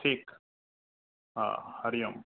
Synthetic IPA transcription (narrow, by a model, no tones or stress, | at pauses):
ʈʰiːk | ɦa̰hɐɾijɐm